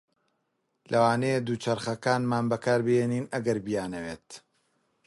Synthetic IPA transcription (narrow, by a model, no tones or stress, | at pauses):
lʔɐwaːnejd̪uːt͡ʃɐɾχɐkaːnmaːnbɐkaːɾbɨjeniːnɐɡɐɾbijaːnɐweːt̪